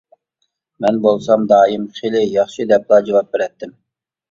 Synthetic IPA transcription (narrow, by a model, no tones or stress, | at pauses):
mɛnbolˠsɑmd̪ɑːjimχelɪjɑχʃid̪ɛp̚lˠɑd͡ʒɑwɑp̚beɾɛt̪ːɪm